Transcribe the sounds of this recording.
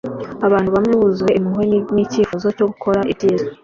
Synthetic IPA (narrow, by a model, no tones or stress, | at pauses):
aβaːn̥uβamŋeβuzuwe̞ʔimiɦwenniciːfuzo̞co̞ɡukʰo̞ɾaʔiizo